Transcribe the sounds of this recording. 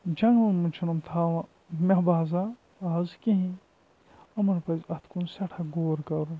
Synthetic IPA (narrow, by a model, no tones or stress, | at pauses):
d͡ʒɐŋunmut͡ʃʰinumt̪ʰaːʋɐ̃ | mʲɐbaːzaː | zkiɦĩ | ɐmɐnpɐzɐt̪ʰkunsɐʈʰɐɡoːɾkɐɾu